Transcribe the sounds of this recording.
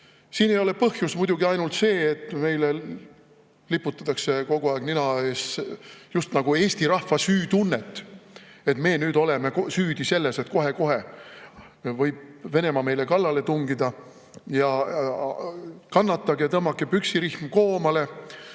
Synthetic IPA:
siːnejo̞le̞pɤhjusmujd̪̥uɡiɑjnult̪se̞ːt̪ːˑme̞jle | lipːˑut̪ːˑɑ̥t̪ːˑɑkse̞ko̞ɡ̥uɑeɡ̥ninɑeːsjust̪nɑɡ̥ue̞ːst̪iɾɑhvːɑsyːt̪unːet̪ːˑe̞t̪me̞ːnyːd̪o̞le̞me̞ksyːd̪̥ise̞lːe̞set̪ko̞ɦe̞ko̞ɦe̞ | vɤjb̥̚ve̞ne̞mɑme̞jle̞kɑlːɑle̞t̪uŋɡid̪ɑ | jɑ | kɑnːɑt̪ːˑɑɡjɑt̪ɤmːɑkːˑepyksiɾihmko̞ːmɑle̞

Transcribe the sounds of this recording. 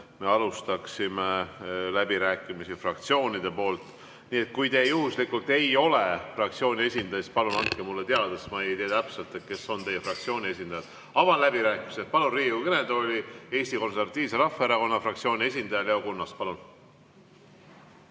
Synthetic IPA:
me̞ɑlust̪ɑksimelæbiɾæːkˑimisifrɑkt̪sio̞ːnʲid̪̥e̞po̞ːlt̪ˑ | niːe̞t̪̚kujt̪e̞juhuslikːult̪ːˑe̞jo̞le̞frɑkt̪sio̞ːnʲie̞sʲind̪̥ɑjspɑlunɑŋt̪kːemulːet̪eɑd̪̥esmɑejjt̪eɑt̪æpse̞lt̪et̪̚ke̞so̞nt̪e̞jefrɑk̚t̪sio̞ːnʲie̞sʲind̪ɑjɑd̪̥ | ɑvɑnlæbiɾæːkimise̞spɑlunriːukened̪o̞lʲie̞ːsʲt̪iko̞nseɾvɑt̪ːˑiːvseɾɑfːeɾɑko̞nːɑfrɑk̚t̪sio̞ːnʲie̞sʲind̪̥ɑjɑleo̞kunːɑspɑlun

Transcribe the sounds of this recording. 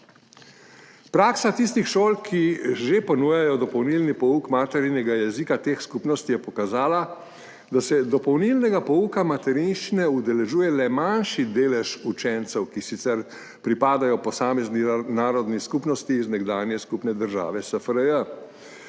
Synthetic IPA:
pɾaːksat̪is̬t̪ixʃoːlkʰiʒepɔnuːjajɔd̪ɔpɔwnilnipɔukmaːt̪ɛɾinɛɡajɛzikat̪eːxskupnɔst̪ijɛpɔkazaːla | d̪asɛd̪ɔpɔwnilnɛɡapɔuːkamat̪ɛɾinʃt͡ʃinɛud̪ɛlɛʒuːjɛlɛmanʃid̪eːlɛʃut͡ʃɛnt̪sɛwkisit̪sɛɾ | pɾipaːd̪ajɔpɔsaːmɛzninaːɾɔd̪niskupnɔst̪iːznɛɡd̪aːnjɛskupnɛd̪əɾʒa̰ːʋɛsəfəɾəjə

